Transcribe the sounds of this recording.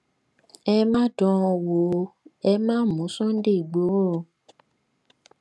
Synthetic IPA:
ɛ˧mãː˦dɔ̃˧ɔ˧wo˨˦ɛ˧mãː˦n̩˦mũ˨˦sɔ̃˦n̩˦de˦˨i˨ɡ͡bo˨˦˨

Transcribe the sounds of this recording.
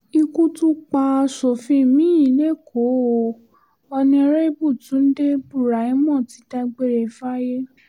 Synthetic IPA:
i˧ku˦tu˦k͡pa˧ʃo˨fĩ˧˨mĩ˦i˨˧˦le˦˨kʰo˨˦o˨ | ɔ˧nĩ˧ɾe˦i˦bu˦˨tũ˨˦n̩˦de˦bu˦˨ɾa˨ĩ˦mɔ̃˦˨ti˨˦da˧ɡ͡be˧ɾe˨fa˦je˦

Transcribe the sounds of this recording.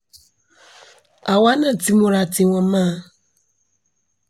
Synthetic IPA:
a˨wa˦nã˨ti˦mũ˨ɾa˨tɪ˨wɔ̃˨mã˦˨

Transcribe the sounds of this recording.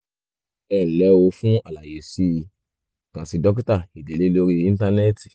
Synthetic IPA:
ɛ˨lɛ˨˦wo˧˦fũ˦a˨la˨je˨si˧˦˧ | tã˨si˧dɔ˦k̬i˦ta˦˨i˨dɛ˨le˨˦lo˧˦ɾi˧ĩ˦n˦ta˧nɛ˦ti˨

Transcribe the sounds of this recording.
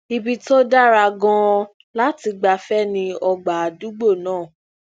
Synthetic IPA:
i˧bi˧to˦da˦ɾa˧ɡɔ̃˧ | la˦ti˧ɡ͡ba˧fɛ˦nĩ˧ɔ˧ɡ͡ba˨du˦ɡ͡bo˦˨nãː˦˨

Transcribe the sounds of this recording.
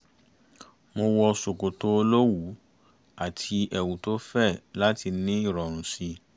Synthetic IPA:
mo˧wɔ˧so˨ko˨to˨˦o˧lo˦wu˨˦ | a˦˨tʰi˧ɛ˨wũ˨to˦fɛ˦˨la˦ti˧nĩ˦i˦˨ɾɔ˨ɾ̃ũ˨si˧

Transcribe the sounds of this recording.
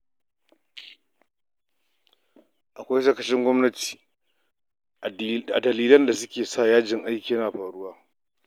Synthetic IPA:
ʔa˨kʷa˦jʃɐ˦˨kɐ˨ʃɪ˦ŋɡʷɔ˦mnɐ˦ti̥ː˨ | a̰˨dɐ˨liː˦lɐ˦nda˨s̬ʊ˦kʲeː˨saː˦˨jaː˦d͡ʒɪ˨ŋʔa˦jkʲiː˨jnaː˨ɸaː˨ɽʊ˦waː˦

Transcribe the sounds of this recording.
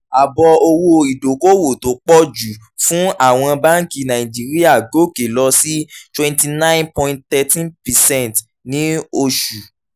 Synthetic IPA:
a˨bɔ˧o˧wo˧i˨do˨ko˦wo˨to˨˦k͡pɔ˦d͡ʒu˨ | fũ˦a˦˨w̃ɔ̃˧ba˦ŋ˦ki˧nã˨ĩ˨d͡ʒi˨˦ɾi˦a˦˨ɡo˨˦˨ke˨lɔ˧si˦twɛ̃˧nti˧nã˦j̃npɔ̃˧ĩ˧nt̚t̪ɛ˧tĩ˦npɛ˨sɛ̃˦n˨t | nĩ˨˦o˧ʃu˨

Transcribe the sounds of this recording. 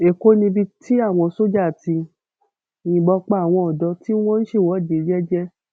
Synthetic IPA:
e˨ko˦nĩ˧bi˧ti˦a˦˨w̃ɔ̃˧so˦d͡ʒa˦˨ti˧˨ | jĩ˧ɡ͡bɔ˧k͡pa˦˨w̃ɔ̃˧ɔ˨dɔ˧ti˦w̃ɔ̃˦n̩˦ʃe˦˨wɔ˨˦˨de˨˦d͡ʒɛ˦d͡ʒɛ˦

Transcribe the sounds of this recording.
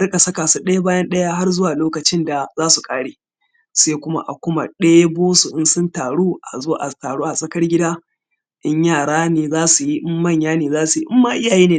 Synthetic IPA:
ɽkʼa˨sɐ˦kaː˨su˦ɗɐ˦ja˦baː˦jɐ˦nɗɐ˦ja˦ɦa˦rzʊ˦waː˨loː˦kɐ˨t͡ʃɪ˦nda˨zaː˦su˨kʼaː˦ɽeː˨ | se˦kʷʊ˦ma̰˦ʔa̰˨kʷʊ˦ma̰˨ɗeː˦jboː˦su˨ʔɪ˦nsʊ˦ntaː˨ɽuː˦ʔa˨zo˦ʔa̰˨taː˨ɽoː˦ʔa˨sʼɐ˦kɐ˦rɡʲɪ˦daː˦ | ʔɪ˦ɲjaː˦˨ɽaː˦neː˨zaː˦su˨ji˦ʔɪ˦mːɐ˦˨ɲjaː˦neː˨zaː˦su˨ji˦ʔɪ˦mːaː˦ʔɪ˦jaː˨jeː˦neː˨

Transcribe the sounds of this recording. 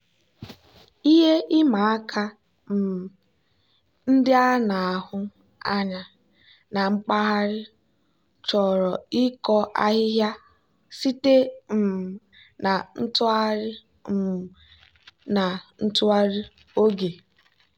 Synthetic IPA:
i˦ɦe˦ʔɪ˦ma˨a˦kʰa˦ | m̩˨ | n̩˦dɪ˦a˦na˨a˨ɦʊ˦ | a˦ɲa˨ | na˨ŋ͡m̩˦k͡pa˦ɦa˦ɾɪ˦ | t͡ʃɔ˨ɾɔ˨ɪ˦kɔ˦ʔa˦ɦɪ˦ɦja˦ | si˦te˦m̩˨ | na˨n̩˦tʊ˦a˦ɾɪ˦ | m̩˨ | na˨n̩˦tʊ˦a˦ɾɪ˦ | o˦ɡe˨

